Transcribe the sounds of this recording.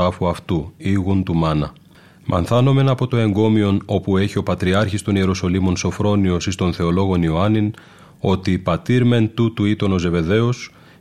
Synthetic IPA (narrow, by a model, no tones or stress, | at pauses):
ɐfuɐft̪uiɣunt̪umɐnɐ | mʔɐ̰nθɐno̞me̞nɐpo̞t̪o̞e̞ŋɡo̞mio̞no̞pue̞çio̞pɐt̪ɾiɐɾçist̪o̞nie̞ɾoso̞limo̞nso̞fɾo̞nio̞sist̪o̞nθe̞o̞lo̞ɣo̞nioɐnin | o̞t̪ipɐt̪iɾme̞nt̪ut̪uit̪o̞no̞ze̞ve̞ðe̞os